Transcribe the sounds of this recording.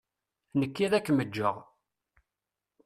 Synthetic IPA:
nəkːiðækːməd͡ʒːəʁ

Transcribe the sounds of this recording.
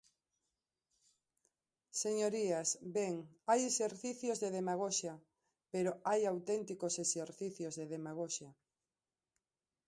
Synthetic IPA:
seɲoɾiasbeŋajeseɾθiθjozðeðemaɣ̞oʃa | peɾoajawt̪ɛnt̪ikoseseɾθiθjozðeðemaɣ̞oʃa

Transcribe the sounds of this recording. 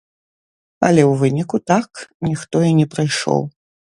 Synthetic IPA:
ɐ̰lʲɛwvɨnʲikut̪aknʲixt̪ɔinʲɛpɾajʂɔ̰w

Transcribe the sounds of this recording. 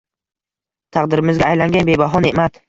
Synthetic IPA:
t̪ʰɑqd̪ɪɾɪmɪzɡʲaːjlaŋɡʲanbe̞baɦɒnemat̪

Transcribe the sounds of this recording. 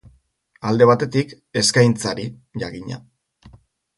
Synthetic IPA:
ald̪e̞β̞at̪e̞t̪ik | e̞skajnt͡saɾi | ʝaɣiɲa̰

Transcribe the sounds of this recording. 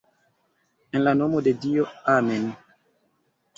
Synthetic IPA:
enlanomodedioamen

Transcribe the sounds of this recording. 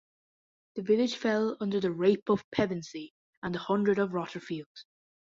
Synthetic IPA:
ðəvɪlɪd̥ʒ̥fɛlˠʌ̃ndə˞ðəɹeɪpəv̥pʰɛvə̃nsi | ə̃nəhʌ̃ndɹəɾəvɹɒtə˞fiːlˠdz̥

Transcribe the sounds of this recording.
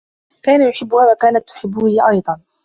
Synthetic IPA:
kaːnajʊħɪbːʊhaːwakaːnat̪ːʊ̥ħɪbːʊʔɑjd̪ˤɑn

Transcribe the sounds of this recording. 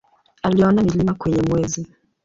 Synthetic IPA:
aliɔnamilimakwɛɲɛmwɛzi

